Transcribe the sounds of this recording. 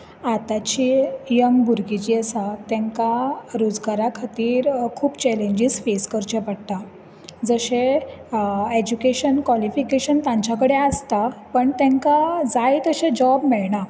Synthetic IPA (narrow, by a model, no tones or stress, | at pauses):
at̪at͡ɕijəŋɡbʱuɾɡit͡ɕiːəsat̪ɛ̃ŋkaɾod͡zɡaɾakʰat̪iːɾkʰuːpt͡ɕɛleɲd͡ʑiːsfeskəɾt͡ɕepəɽt̪a | d͡zəɕẽ | ed͡ʑukeɕənkʋalifikeɕənt̪ãɲt͡ɕakəɽeəst̪apəɳt̪ɛ̃ŋkad͡zajt̪əɕẽd͡ʑɔbmiɭɳa